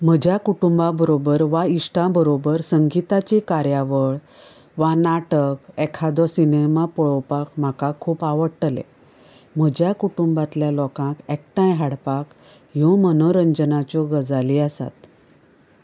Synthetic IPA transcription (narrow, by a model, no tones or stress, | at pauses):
m̤əd͡ʑʱjakuʈumbabəɾobəɾʋaiʂʈãbəɾobəɾsəŋɡit̪at͡ɕikaɾjaʋəɭ | ʋanaʈəkɛkʰad̪ɔsinemapɔɭɔpakm̤akakʰuːpaʋəɽʈlḛ | m̤əd͡ʑʱjakuʈumbat̪ljalɔkãkɛk̚ʈãjɦaɽpak | ɦõmənoɾəɲd͡ʑənat͡ɕɔɡəd͡zaliəsa̰t̪